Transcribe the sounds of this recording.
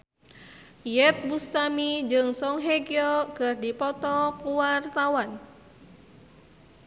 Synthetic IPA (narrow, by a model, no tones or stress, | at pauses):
jɛt̪̚bust̪amid͡ʒɨŋsɔŋɦɛɡiɔkɨrdipɔt̪ɔkuwart̪awan